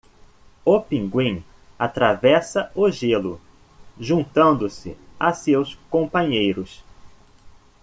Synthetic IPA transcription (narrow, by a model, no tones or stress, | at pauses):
opĩŋɡwĩ | at̪ɾavɛsɐʊʒelʊ | ʒũnt̪ɐ̃nd̪ʊsɪ̰asewskõpɐ̃ɲejɾʊs